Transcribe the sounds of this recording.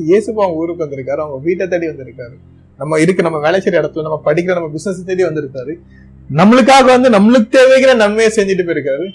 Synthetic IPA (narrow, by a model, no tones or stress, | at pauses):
jeːsɯpːaːɐŋɡɐuːɾɯʋɯkːʋɐnd̪ɯɾɯkːaːɾɯʊŋɡɐʋiːʈːɐt̪ːɐɽiʋɐnd̪ɪɾɯkːaːɾɯ | nɐmːɐɪɾɯkːɯnɐmːɐʋeːɭɐt͡ʃːɐɾɪɽɐt̪ːɯlɐ̃nɐmːɐpɐɽɪk̬ːɪɾɐnɐmːɐbɪsnɛs̬t̪ːɐɽiʋɐnd̪ɪɾɯkːaːɾɯ | nɐmːɐɭɯk̬ːaːɣɐʋɐnd̪ɯnɐmːɐɭɯk̬ːɯt̪eːʋeɣɪɾɐnɐnmɐjesɛɲd͡ʒɪʈːɯpoːɪɾɯkːɪɾaɾɯ